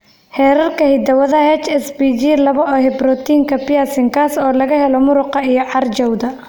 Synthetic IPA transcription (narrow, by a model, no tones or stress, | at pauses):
hɛːɾɐrkʰɐhɪd̪ɐwɐðɐhɛt͡ʃɛsbid͡ʒilɐβɐɔːhɛbrɔt̪iːŋkʰɐpɪjasɪŋkʰasɔːlɐɣɐɦɛlɔmʊɾʊqɑijɞʕɑrt͡ʃɐwd̪ɐ